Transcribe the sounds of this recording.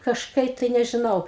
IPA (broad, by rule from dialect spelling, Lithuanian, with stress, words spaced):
kɐʃˈkɐɪ tɐɪ nʲɛʒʲɪˈnɐʊ